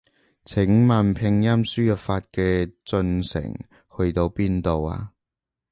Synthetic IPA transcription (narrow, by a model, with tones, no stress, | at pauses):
t͡sʰɪ˨˥ŋmaː˨npʰɪ˧ŋjɐ˥msyː˥jœ˨˩faː˧t̚kɛː˧t͡sɵ˧nsɪ̰˨˩ŋ | hɵ˧ɥt̪o˧wpiː˥nt̪o˨wa̰ː˧